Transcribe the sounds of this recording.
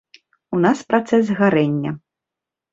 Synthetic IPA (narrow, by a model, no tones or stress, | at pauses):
unaspɾat̪sɛzɣaɾɛnʲːɐ